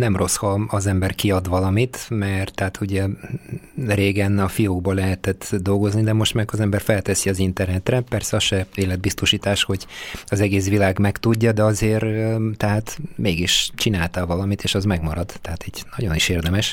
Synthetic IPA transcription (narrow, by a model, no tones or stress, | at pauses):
nɛmro̞shɒɒzɛmbɛrkiɒd̪ʋɒlɒmit̪mɛrt̪ːɛat̪ʰuɟɛ | reːɡɛnɒfijoːɡ̚bɒlɛɦɛt̪ɛt̪d̪o̞lɡo̞znid̪ɛmo̞ʃt̪maːɡɒzɛmbɛrfɛlt̪ɛsiɒzint̪ɛrnɛt̪rɛpɛrsɛɒʃɛeːlɛd̪̚bist̪o̞ʃiːt̪aːʃho̞ɟɒzɛɡeːsʋilaːɡmɛkt̪uɟːɒd̪ɛɒzeːrt̪ɛɦaːt̪meːɡiʃt͡ʃinaːlt̪avɒlɒmit̪eːʃɒzmɛɡmɒɾɒd̪ːɛɦat̪iːɟnɒɟo̞niʃeːrd̪ɛmɛʃ